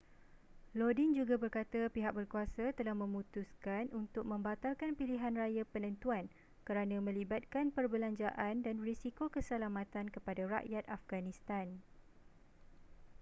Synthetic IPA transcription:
lodind͡ʒuɡabərkat̪apiɦak̚bərkuasat̪əlahmə̃mũt̪uskanʔunt̪ʊk̚mə̃mbat̪alkanpiliɦanrajapənə̃nt̪uan | kəɾanãmə̃libat̪̚kanpərbəlaɲd͡ʒaʔandanrisikokəsəlamãt̪ankəpadaɾa̰ʔjat̪afɡanĩst̪an

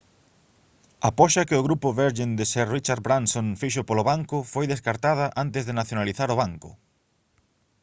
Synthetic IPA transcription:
ɐpɔʃɐkɪʊɣɾupʊβeɾʒend̪ɪsɛrit͡ʃaɾbɾansonfiʃʊpolʊβaŋkʊfojðeskaɾt̪að̞ɐʔant̪ɪzðenaθjonaliθaɾʊβ̞aŋkʊ̰

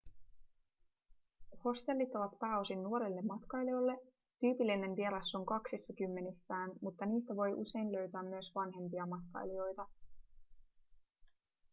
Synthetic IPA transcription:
ho̞st̪e̞lːit̪ːoʋɑt̪pæːo̞sinːuoɾelːe̞mːɑt̪kɑjlio̞lːe̞ | t̪yːpilːine̞nʋie̞ɾɑsːo̞ŋkɑksisːɑkymːe̞nisːæːnmut̪ːɑniːst̪æʋo̞jʔṵse̞jnlø̞ɥt̪æːmːyøsʋɑnɦe̞mpiɑmɑt̪kɑ̰jlio̞jt̪ɑ

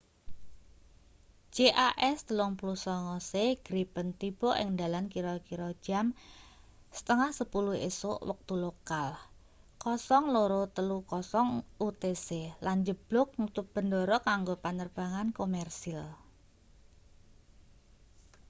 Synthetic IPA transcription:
d͡ʒ̥eʔaʔɛst̪əlɔŋplusɔŋɔseɡ̥ɾipənt̪ib̥ɔʔɪ̰ŋd̪alankiɾɔkiɾɔ̥d͡ʒ̥am | sə̥t̪əŋahsəpuluhḛsoʔwək̚t̪ulokal | kɔsɔŋloɾot̪əlukɔsɔŋut̪eseland͡ʒəb̥lʊk̚nut̪ʊp̚b̥əndɔɾɔkaŋɡopanərb̥aŋankomɛrsil

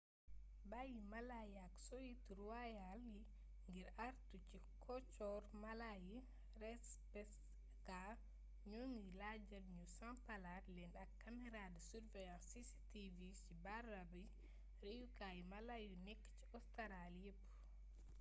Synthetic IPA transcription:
bajimalajiaksojitɾuwajali | ŋɡɛɾaɾtut͡ʃi | kʰɔt͡ʃɔɾmalaji | ɾɛs | pɛs | ka | ɲonilad͡ʒalɲusampaladlɛnɗakːamɛɾadɛsuɾvɛjãnsisi̥tivisibaɾabi | ɾejukajimalajunekːi̥t͡ʃi̥ɔstaɾaljepːu̥

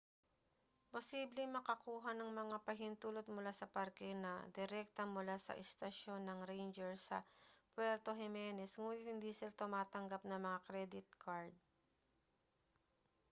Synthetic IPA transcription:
posiːblɪŋmɐkɐkuːɦɐnɐŋmɐŋapɐɦɪnt̪uːlot̪̚mʊlasɐpaɾkɛnɐ̰d̪ɪɾɛk̚t̪ɐmʊlasɐ̰ʔɛst̪ɐʃjo̞nːɐŋɾejnd͡ʒɛɹsɐ̰pwɛɾt̪o̞ɦɛmɛːnɛsŋuːnɪt̪̚hɪnd̪iːsɪlat̪ʊmaːt̪ɐŋɡap̚nɐmɐŋakɾɛd̪ɪt̪̚kʰaɹd̪̚

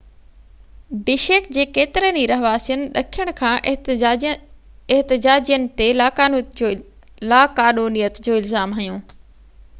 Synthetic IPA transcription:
bɪʃeːkd͡ʑeːkeːt̪ɪɾəniɾɐɦʋaːsijənɪ̆ɗɐkʰijəɽ̃kʰãːʔ | ɪɦt̪ɪd͡ʑaːd͡ʑijənɪ̆t̪elaːaːn | laːkaːnuːnijət̪d͡ʑoːɪlzaːmɦɐjõː

